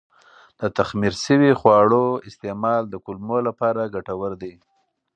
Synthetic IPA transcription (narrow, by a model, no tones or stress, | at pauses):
d̪̥ət̪axmiɾsəwixwɑɽoɪst̪emɑld̪əkʊlmolapɑɾaɡaʈawəɾd̪e